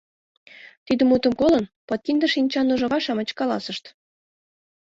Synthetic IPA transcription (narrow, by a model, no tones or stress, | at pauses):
t̪id̪ə̆mut̪ə̆mkolənpɤt̪̚kind̪ə̆ʃinʲt͡ɕɑnuʒɤ̆ʁɑʃɑmə̆t͡ɕkɑlɑsəʃt̪